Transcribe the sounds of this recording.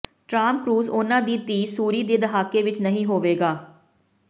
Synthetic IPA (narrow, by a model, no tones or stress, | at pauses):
ʈɾaːmkɾuːzoːnãːd̪iːt̪iːsuːɾiːd̪eːd̪əɦaːkeːʋɪt͡ʃnəɦĩːɦoːʋeːɡaː